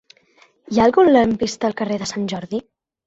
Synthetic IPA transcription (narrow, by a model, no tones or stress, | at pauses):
jaːlˠɣunləmpist̪əːlˠkəreðəsanʲʒɔɾði